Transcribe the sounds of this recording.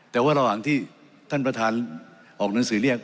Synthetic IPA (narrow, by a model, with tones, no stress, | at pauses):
t̪ɛː˨˩waː˥˩ɾa˧wha˨˩˦ŋt̪ʰiː˥˩ | t̪ʰa˥˩npɾa˧t̪ʰaː˧n | ʔɔː˨˩k̚na˩˦ŋsɯː˩˦li˥˩ək̚